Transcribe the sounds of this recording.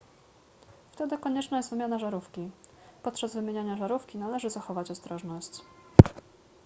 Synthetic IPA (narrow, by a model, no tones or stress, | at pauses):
ft̪ɛd̪ɘkɔɲɛt͡ʂnajɛst̪vɘmʲanaʐaɾufkʲi | pɔt̪̚t͡ʂazvɘmʲjeɲaɲaʐaɾufkʲinalɛʐɘzaxɔvat͡ɕɔst̪ɾɔʐnɔɕt͡ɕ